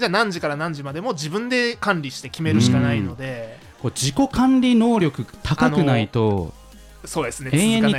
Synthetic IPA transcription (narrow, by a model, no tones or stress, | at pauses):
d͡ʑaːnãɲ̟d͡ʑikaɾanãɲ̟d͡ʑimad̪e̞mo̞d͡ʑibɯ̟̃nd̪e̞kãnɾʲiɕi̥t̪e̞kʲime̞ɾɯ̟ɕikanaio̞d̪e̞ | ko̞d͡ʑiko̞kãnɾʲino̞ːɾʲo̞kɯ̟t̪ʰakankɯ̟nait̪o̞ | so̞ːd̪e̞sɨneẽeɲːi